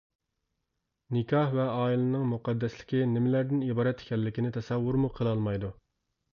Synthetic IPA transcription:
nɪkʲʰɑhvɛɑːilɪnɨŋmuqʰɑd̪ːɛslɪ̥kʲinɪmɪlæɾd̪ɪnibɑːɾɛt̪ʰːe̥kʲʰɛlːɪkʲinɪt̪ʰɛsæwːuɾmuqʰəlˠɑlˠmɑjd̪u

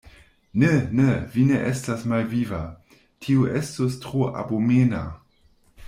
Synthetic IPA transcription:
nenevineʔestasmalviva | tʰiuʔestostʁoʔa̰bomena̰

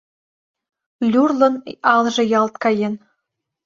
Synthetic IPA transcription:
lʲurlˠɤ̆nɑlˠʒɤ̆jɑlˠt̪kɑjen

